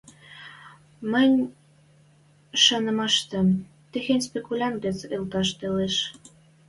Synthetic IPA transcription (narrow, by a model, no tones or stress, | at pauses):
mə̆nʲ | ʃɑnə̆mɑʃt̪ə̆m | t̪exenʲspekulʲɑnt̪̚ɡet͡selt̪ɑʃt̪eleʃ